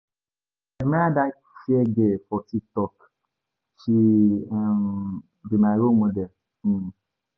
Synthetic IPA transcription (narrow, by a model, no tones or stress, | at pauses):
emada | fieɡefɔtik̚tɔk | t͡ʃi | m | bimaɾomodel̩